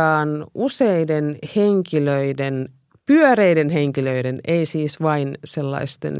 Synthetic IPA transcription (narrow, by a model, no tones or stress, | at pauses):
ɑːnuseidenheŋkiløiden | pyœreidenheŋkiløideneisiːsʋɑinselːɑ̰ist̪ḛn